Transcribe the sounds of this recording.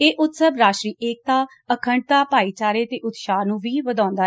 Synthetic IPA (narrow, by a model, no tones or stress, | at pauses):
eːʔʊt̪səbɾaːʃɾiːʔeːk̚t̪aː | əkʰəɳɖ̚t̪aːpaːiːt͡ʃaːɾeːt̪eːʔʊt̪ʃaːnũːʋiːʋəd̪ãːnd̪aː